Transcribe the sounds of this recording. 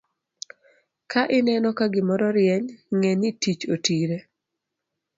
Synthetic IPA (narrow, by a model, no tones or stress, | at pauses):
kaʔɪnɛnɔkaɡɪmɔɾɔɾjɛɲŋɛnitit͡ʃotiɾe